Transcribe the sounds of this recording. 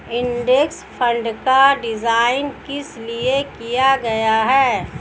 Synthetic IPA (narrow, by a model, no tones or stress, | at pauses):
ɪ̃nɖekspʰə̃ɳɖkaɖɪd͡ʒaːɪnkɪsliekijaɡɐjaɦɛː